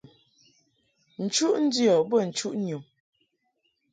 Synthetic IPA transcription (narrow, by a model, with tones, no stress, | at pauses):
n̩˨t͡ʃu˦ʔn̩˦djɔ˨bə˦˨n̩˨t͡ʃu˦ʔnju˨m